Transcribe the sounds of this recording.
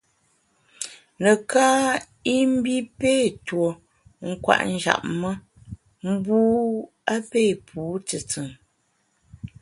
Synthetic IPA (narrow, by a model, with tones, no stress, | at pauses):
nə˨kaː˦ | i˦m̩˦bi˦pe˦˨two˨ | ŋ̩˦kwa̰˨ʔn̩˦d͡ʒa̰˨p̚mə˦ | m̩˦buː˦ | a˦pe˦˨pʰuː˨˦tɨ˨t͡sɨ˨ŋ